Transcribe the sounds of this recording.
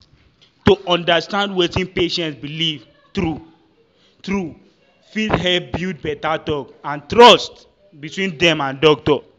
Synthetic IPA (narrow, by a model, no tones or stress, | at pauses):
toʔɔ̃ndastãndwetĩnpeʃɛ̃ntsbiliv | tɾu | tɾu | fitɦɛp̚bit̚bɛtatɔkãntɾɔst | bitwĩndɛ̃mãndɔk̚tɔ